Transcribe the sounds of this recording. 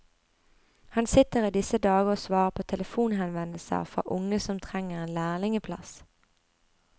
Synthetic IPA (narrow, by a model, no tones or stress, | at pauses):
hɑnsɪt̪əʁiːd̪ɪsəd̪ɑːɡəoːsʋɑːʁəpʰoːt̪ʰɛləfuːnɦɛnʋɛnəl̩sɑ̰fʁɔ̰ʔʊŋəsɔmt̪ʰʁɛŋəʁeːnlæːʁlɪŋəpʰlɑ̰s